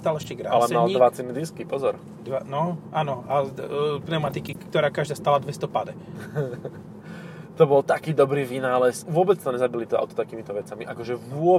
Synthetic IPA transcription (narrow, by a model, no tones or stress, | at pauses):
st̪aːlɛʃcɛɡɾa̰alɛmmald̪ʋat͡sɛnid̪iskipɔzɔɾ | d̪anɔʔaːnɔapnɛʊmat̪ikikkt̪ɔɾaːkaʒd̪aːst̪aːlad̪ʋɛst̪ɔpad̪ɛ | t̪ɔbɔlt̪akiːd̪ɔbɾiːʋinaːlɛsʋʊɔbɛt͡st̪ɔɲɛzabilit̪ɔa̰ʊt̪ɔ̥t̪akiːmit̪ɔʋɛt͡samiʔakɔʒɛʋʊɔ